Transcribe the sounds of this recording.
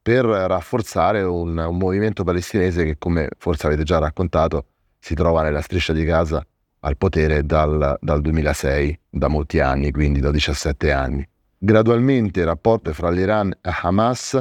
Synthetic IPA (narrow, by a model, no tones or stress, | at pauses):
perːafːort̪saːɾeunumːoviment̪opalest̪ineːzek̟ekːomḛforseaveːt̪ed͡ʒarːakːont̪aːt̪o | sit̪ɾɔːvanelːast̪ɾiʃːad̪ikaːza̰ː | lpot̪ɛːɾed̪ald̪ald̪uemiːlasɛjd̪amolt̪ia̰nːikwind̪id̪ad̪it͡ʃasːɛt̪ːea̰nːi | ɡɾad̪ualment̪eɾapːɔrt̪oɛfɾaliɾanːeħamas